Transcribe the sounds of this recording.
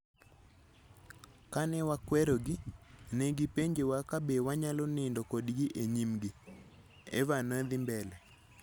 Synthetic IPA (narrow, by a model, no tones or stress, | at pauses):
kanɛwakwɛɾoɡɪneɡipeɲd͡ʒewakabewaɲalɔnɪndɔkodɡiʔeɲimɡɪ | ḛvanɔd̪ɪmbɛlɛ